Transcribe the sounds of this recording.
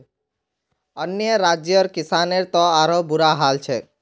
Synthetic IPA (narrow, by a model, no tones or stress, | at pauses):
ənjəɾad͡ʒjəɾkɪsaneɾt̪ɔ̃aɾobʊɾaɦalt͡ʃʰɛ